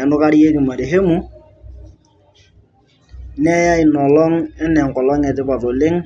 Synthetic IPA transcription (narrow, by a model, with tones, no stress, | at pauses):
nʊ˦ka˦ɾi˦je˦ki˨ma˨ɾi˨ɦe˦mu˦ | n˦a˦ja˦i˨nɔ˨lɔ˦ŋɛ˦nɛ˨ŋ̩˨kɔ˨lɔ˦ŋɛ˨tɪ˦ba˨tɔ˨lɪ˦ŋ